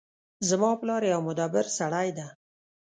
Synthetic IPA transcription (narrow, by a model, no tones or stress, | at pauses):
zəmɑplɑɾjawmʊd̪ɑbɪɾsaɽajd̪a